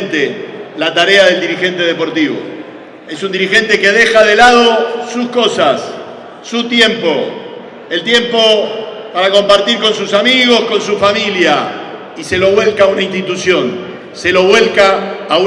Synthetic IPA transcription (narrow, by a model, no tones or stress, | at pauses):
nt̪elat̪aɾeaðe̞ld̪iɾixe̞nt̪e̞ð̞epo̞ɾt̪iβo̰ | esund̪iɾixe̞nt̪eke̞ðe̞xaðelað̞osusko̞sasː | ut̪je̞mpo̞ | elt̪je̞mpo̞ | paɾako̞mpaɾt̪iɾko̞nsusamiɣo̞sko̞ns̬ufamilja | ise̞lo̞βwe̞lkaːunainst̪it̪usjon | selo̞βwe̞lkaːu